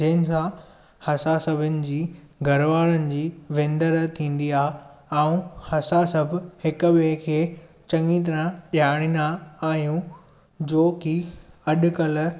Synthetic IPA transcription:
d͡ʑɐɦɪnɪ̆sã | hɐsasɐbʱɪnɪ̆d͡ʑiː | ɡʱɐɾʋaːɾənɪ̆d͡ʑiːʋẽːnd̪əɾt̪ʰĩːn̆d̪iaːɦɛũhɐsasɐbʱhɪkʊbekʰeː | t͡ɕɐ̃ŋit̪ɐɾãɗaːɽ̃inaaːɦijũ | d͡ʑoːkiɐɗʊ̆kɐl̆

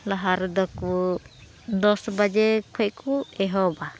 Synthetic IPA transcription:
laɦaɾd̪ɔku | d̪ɔsbad͡ʒɛkʰɔʔkuɛɦɔba

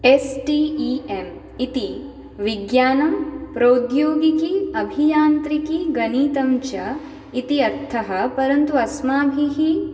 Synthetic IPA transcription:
esʈiem | it̪i | ʋiɡjaːnɐmpɾɐːd̪joːɡikiɐbʱijaːnt̪ɾikiɡɐniːt̪ɐmt͡ʃɐ | it̪iɐɾt̪ʰɐɦɐpɐɾɐnt̪uɐsmaːbʱiɦi

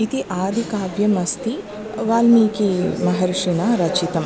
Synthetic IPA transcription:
it̪iʔaːd̪ʱikaːbjɐmɐst̪i | ʋaːlmiːkimɐɦɐɾʂinaɾɐt͡ʃit̪ɐm

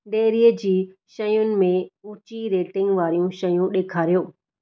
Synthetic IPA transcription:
ɖeːɾiəd͡ʑiːʃɐjʊnɪ̆mẽũːt͡ɕiɾeːʈɪ̃ŋɡʋaːɾijũʃɐjũɗeːkʰaːɾijoː

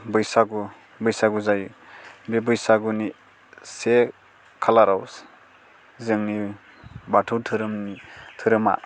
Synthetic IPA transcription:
bɯjsaɡu | bɯjsaɡuzajbebɯjsaɡuni | se | kʰalaɾaws | zɯŋni | batʰutʰɯɾɯmtʰɯɾɯma̰

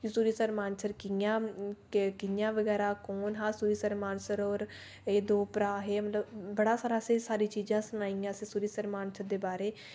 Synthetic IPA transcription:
d͡ʒisuːɾiːsəɾmaːnsəɾkɪãː | kɪjãːʋəɡɛːɾaːkoːnɦãːsuːɾiːsəɾmaːnsəɾɔːɾ | eːd̪oːpɾaːɦeːmət̪ləbːəɽaːsaːɾaːsẽːsaːɾiːt͡ʃiːd͡ʒãːsʊnaːiːãːsẽːsuːɾiːsəɾmaːnsəɾd̪eːbaːɾeː

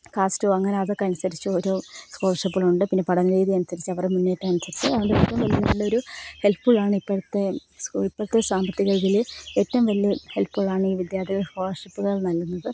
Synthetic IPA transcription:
kaːstoːɐŋːɐneɐðokːɐnusɐɾit͡ɕːuo̞ɾo̞ːskoːrʂɐpːiɭuɳɖɨpinːe̞pɐɽɐŋːɐleːðiɐnusɐɾit͡ɕːɐʋɐremunːeːtːɐɐnusɐɾit͡ɕːṵɐʋɐɳdeetʈːɐmʋɐlijɐnɐlːɐoɾuhe̞lpfuɭaːɳɨipːɐɽt̪ːe̞sipːɐɽut̪ːesaːmbɐt̪ːiɣɐɭɡileːtːɐmʋɐlijɐhe̞lpːuɭaːɳiːʋid̪jaːrt̪ʰiɣɐhoːrʂipːuɣɐɭnɐlːunːɐðɨ

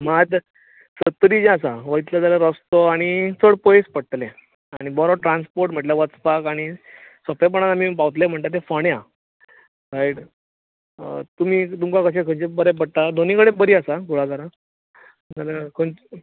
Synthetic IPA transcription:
mad̪ | sət̪ːɾid͡ʑẽasaʋəit̪lad͡z̪alaɾəst̪oaɽ̃it͡sʰəɽpojspəɽt̪le | aɽ̃ibɔɾaʈɾanspoɾʈm̤əʈljaʋət͡spakaɽ̃isəpap̬əɳ̃at̪am̤ipawt̪lem̤əɳt̪at̪̬efəɽea | ɾaiɽ | t̪um̤iːt̪umkakəɕ̬ẽkʰəɳt͡ɕebəɾep̬əɽt̪ad̪onĩkəɽẽbəɾiːəsaɡuɭakəɾã | d͡zalakʰəɳ

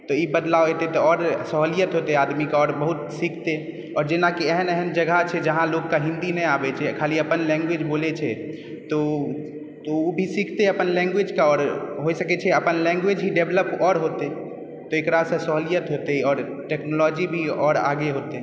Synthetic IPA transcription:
t̪ɔibəd̪laoet̪et̪ɔɔɾsəɦolijət̪ɦot̪ead̪mikaɔɾbəɦut̪sikʰt̪e | ɔɾd͡ʒenakiɛɦənɛɦənd͡ʒəɡʱat͡ʃʰɛd͡ʒəɦãlokːaɦĩnd̪inɛjabɛt͡ʃʰɛkʰaliəpənlɛ̃ŋɡwed͡ʒbolet͡ʃʰɛ | t̪ɔ | t̪ɔubʱisikʰt̪eəpənlɛ̃ŋɡwed͡ʒkaɔːɾɦojsəkɛt͡ʃʰɛəpənlɛ̃ŋɡwed͡ʒɦiɖebləpɔɾɦot̪e | t̪ɔekɾasə̃səɦolijət̪ɦot̪ɛɔːɾ | ʈeknolɔd͡ʒibʱiɔɾa̰ɡeɦot̪e

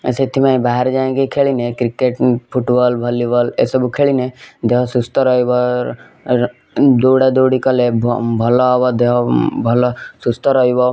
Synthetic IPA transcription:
ḛset̪ʰimaĩbaɦɛɾd͡ʒaẽɡekʰeɭinekɾikeʈpʰuʈbɔlbʱɐlibʱɔlḛsɔbukʰeɭined̪eɦɔsust̪ɔɾɔibɔ | d̪oːɽed̪oːɽikʌlebbʱɔlɔɦɔbɔd̪eɦɔbʱɔlɔsust̪ɔɾɔjbɔ

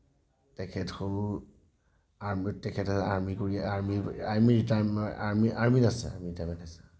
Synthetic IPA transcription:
tɛkʰɛtxoɹu | aɹmtɛkʰɛtasɛaɹmikoɹiaɹmiaɹmiɹitama̰ɹmiʔaɹminasɛ̰a̰ɹmiɹitajmɛntasɛ̥

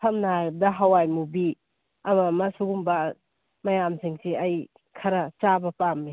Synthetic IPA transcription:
pʰɐmnaajb̚dɐɦawajmubi | ɐmɐmɐsuɡumbɐ | mɐjamsʰiŋsiɐj | kʰɐɾɐt͡ʃabɐpamːi

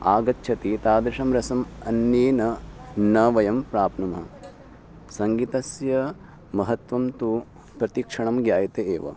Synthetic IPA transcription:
aːɡɐtːʃʰɐt̪it̪aːd̪ɾɪʂɐmɾɐsɐmɐnjeːnɐnɐʋɐjɐmpɾaːpnumɦɐ | sɐŋɡit̪ɐsjɐ | mɐɦɐt̪ʋɐmt̪u | pɾɐt̪ikʂɐɳɐmɡjaːjɐt̪eeːʋɐ̰

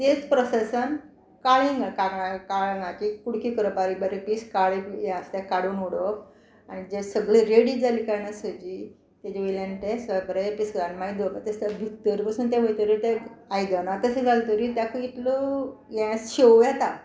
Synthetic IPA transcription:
t̪et͡spɾɔsesən | kaɭĩŋɡakaɡakaɭnãkikuɽkikəɾəbaɾibaɾipiskaɭejãst̪akaɽuːnoɽək | aɽ̃id͡ʑesəɡɭəɾeɽid͡zalikajnasəd͡ʑi | t̪ɛd͡ʑeʋilãnʈesəbɾəpisɡanmaid̪ʋokat̪est̪abʱikt̪əɾpasuːnt̪̬ãʋəjt̪əɾit̪ɛajd̪anat̪əsed͡zalt̪əɾit̪jakəit̪ləjɛ̃sɕejɛt̪a

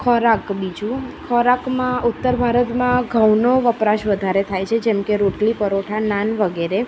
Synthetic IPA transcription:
kʰɔɾakbid͡ʒũkʰɔɾakmãʊt̪ːəɾbʱaɾət̪mãɡʱəwnoʋəpɾaʃʋəd̪ʱaɾet̪ʰajt͡ʃʰed͡ʒemkeɾoʈlipəɾoʈʰananʋəɡeɾe

